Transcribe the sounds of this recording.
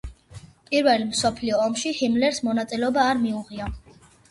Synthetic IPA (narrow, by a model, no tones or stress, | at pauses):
pʼiɾvɛlmsɔpʰliɔːmʃihimlɛɾsmɔnat̪sʼilɛɔbaːɾmiuʁia